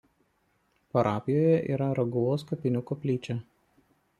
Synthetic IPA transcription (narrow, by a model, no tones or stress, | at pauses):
pɐɾɑːpʲɪjoːjɛʔḭːɾɐɾɐɡʊʋoːskɐpʲɪnʲʊkɔpʲlʲiːt͡ʃʲɛ